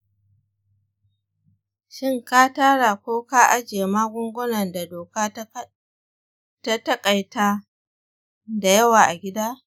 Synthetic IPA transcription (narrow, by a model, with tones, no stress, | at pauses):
ʃɪ˦ŋkaː˦taː˦ɽa˨kʷoː˦kaː˦ʔa˦d͡ʒeː˨maː˦ɡʷʊ˦ŋɡʷʊ˦nɐ˨nda˨doː˨kaː˦ | ta˦tɐ˦kʼa˨jtaː˦ | da˨jɐ˦waː˨ʔa˨ɡʲɪ˦daː˦